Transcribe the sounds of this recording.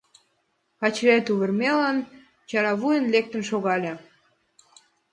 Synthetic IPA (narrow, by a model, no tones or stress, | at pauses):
kɑt͡ɕɾæt̪uβərmelɑn | t͡ɕɑɾɑβujənlek̚t̪ənʃoɣɑlʲe